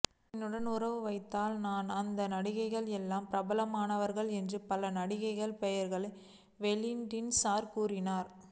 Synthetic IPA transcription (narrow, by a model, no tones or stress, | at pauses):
ɛnːɯɽɐnʊɾɐʋɯʋɐɪt̪ːaːlnaːnɐnd̪ɐnɐɽɪɣɐɪɣɐɭɛlːaːmpɪɾɐbɐlɐmaːnɐʋɐɾɣɐɭɛndrɯpɐlɐnɐɽɪɣɐɪɣɐɭpɛjɐɾɣɐɭɐɪ | ʋɛlɪnɖɪnsaːɾkuːrɪnaːɾ